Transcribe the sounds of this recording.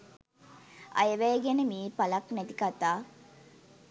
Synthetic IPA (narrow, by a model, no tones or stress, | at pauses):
ɐ̰jəʋæjːɡenəmiːpalɐknæt̪ikat̪aː